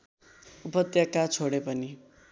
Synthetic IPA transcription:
upʌt̪jakat͡sʰoɽepʌni

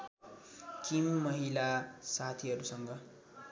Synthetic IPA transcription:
kimːʌɦilasat̪ʰiɦʌɾusʌŋɡʌ

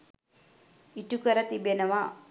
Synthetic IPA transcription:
iʈukəɾət̪ibenəʋa

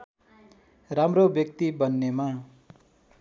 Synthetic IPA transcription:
ramrobjʌk̚t̪ibʌnːema

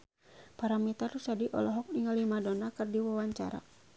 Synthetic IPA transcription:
paɾamit̪arusadiʔɔ̰lɔɦɔk̚niŋalimadɔnakɨrdiwawaɲt͡ʃa̰ɾa̰

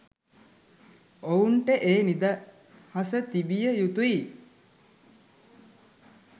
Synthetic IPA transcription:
ouɳʈəʔeːnid̪a | hasət̪ibijəjut̪ui

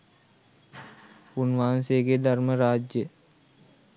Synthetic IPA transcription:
unʋaːnseɡed̪ɐɾməɾaːd͡ʒjə

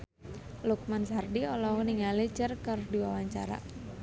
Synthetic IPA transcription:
luk̚mansardiɔlɔɦuniŋalid͡ʒərkərdiwawaɲt͡ʃa̰ɾa̰

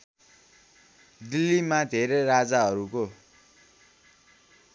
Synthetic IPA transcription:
d̪ilːimad̪ʱeɾerad͡zaɦʌɾuko

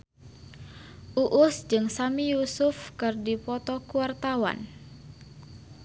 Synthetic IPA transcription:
ʔuʔʊsd͡ʒɨŋsamijusʊfkɨrdipɔt̪ɔkuart̪awa̰n

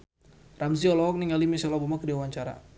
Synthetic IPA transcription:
ramziɔlɔɦɔk̚niŋalimisalɔbamakdiawaɲt͡ʃaɾa̰

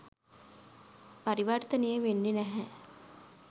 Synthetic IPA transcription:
paɾiʋart̪ənejəʋenːinæɦɛ

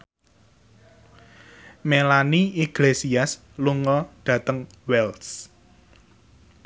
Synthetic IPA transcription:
melaniiɡ̥lesias | luŋɔɖ̪̥ä̤t̪əŋ | wɛls

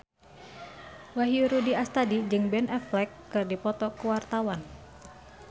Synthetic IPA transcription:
waɦiuɾudiast̪adid͡ʒɨŋbɛnʔɛflɛkːɨrdipɔt̪ɔkuwart̪awan

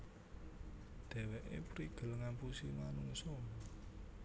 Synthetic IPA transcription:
d̪̥ɛ̤wɛʔḛpɾiɡ̥ə̤ləŋanpusimanuŋsɔ

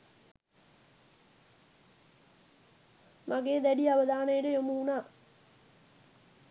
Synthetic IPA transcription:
maɡeːd̪æɖiaʋəd̪ʱaːnəjəʈəjomuunaː

